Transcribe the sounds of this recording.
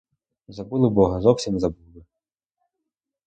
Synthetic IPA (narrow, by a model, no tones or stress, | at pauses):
zabulˠɨbɔɦɐzɔwsʲimʲzabulˠɨ